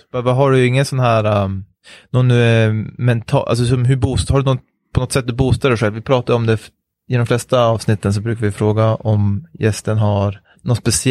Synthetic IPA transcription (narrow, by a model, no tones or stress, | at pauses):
bvaɦaɖɵɪŋːənsɔnɦæːɾa | nɔnː | mɛnt̪ʰɑ̰ːʔa̰ls̬ɔsɔmɦɵbuːst̪haɖɵnɔn | pʰɔnɔt̪ːsɛt̪̚ːd̪ɵbuːst̪aɖɛɧɛlvɪpʰɾɑːt̪ad̪ɔmd̪ɛ | ɪd̪ɔmflɛst̪aɑːvsnɪt̪ːəns̬ɔbɾʉːkaɾvɪfɾoːɡaʔɔmjɛst̪ənɦaɾ | nɔnspɛsɪ